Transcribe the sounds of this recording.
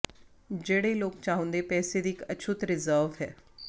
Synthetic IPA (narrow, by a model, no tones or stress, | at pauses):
d͡ʑeɽeloːk̚t͡ɕaɦũnd̪epɛːsed̪ikət͡ɕʰuːt̪ɾɪzəɾʋɦɛ